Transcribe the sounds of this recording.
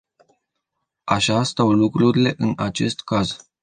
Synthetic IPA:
aʃast̪awlukɾuɾile̞ʔɨnat͡ʃe̞st̪kaz

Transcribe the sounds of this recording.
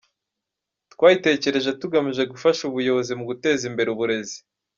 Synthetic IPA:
tkwaːite̞ːce̞ɾe̞ʒe̞tuɡamiʒe̞ɡufaʃuβujo̞βo̞zimuɡute̞ːzimbe̞ɾeuβuɾe̞zi̥

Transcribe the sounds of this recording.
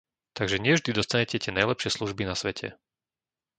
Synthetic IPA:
t̪aɡʒɛɲɪɛvʒd̪id̪ɔst̪aɲɛcɛc̪ɪɛnajlɛpʃɪɛsluʒbinasʋɛcʰɛ̰

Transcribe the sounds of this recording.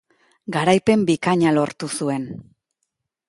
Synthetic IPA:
ɡaɾajpe̞mbikaɲalo̞ɾt̪usue̞n

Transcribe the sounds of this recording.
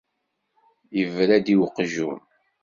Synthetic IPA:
jəvɾæd̪iwqʒum

